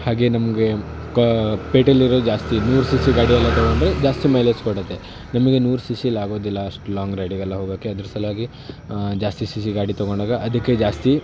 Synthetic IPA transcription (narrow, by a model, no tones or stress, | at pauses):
haːɡe̞ːnɐmɐɡe̞ | kpeːʈɐlːiɾoːd̪ud͡ʒaːst̪inuːɾusisiɡaːɽiɐlːɐt̪ɐɡoɳɖɾed͡ʒaːst̪imɐjleskoɽɐt̪ːe | nɐmɐɡe̞nuːɾusisiɐlaːɡo̞ːd̪ilːɐaɐʂʈlaːŋɡɾɐjɖiɡɐlːɐɦoːɡaːkeɐd̪ɐɾɐsɐlɐɦaːɡi | d͡ʒaːst̪isis̬iɡaːɽit̪ɐɡoɳɖaːɡɐʔɐd̪ɐkːed͡ʒaːst̪i